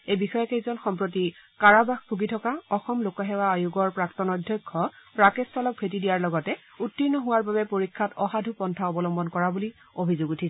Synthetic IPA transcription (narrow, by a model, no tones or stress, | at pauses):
ejbixɔjɔkejzɔnxɔmpɹot̬ikaɹabaxbʱuɡitʰɔkaɔxɔmlokaɦɛwaːjuɡɔɹpɹaktɔnɔdʱjɔjkʰːɔpɹakestʰɔlɔk̚bʱetidijaɹlɔɡɔtɛ | utːinːɔɦʊwaɹbabɛpoɹikʰːatɔɦadʱupɔntʰaɔbɔlɔmbɔnkɔɹabuli | obʱizoɡutʰis